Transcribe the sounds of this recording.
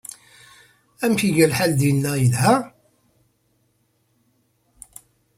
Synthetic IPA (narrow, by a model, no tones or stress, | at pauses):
æmçiʝælħald̪jənːæjəlhæ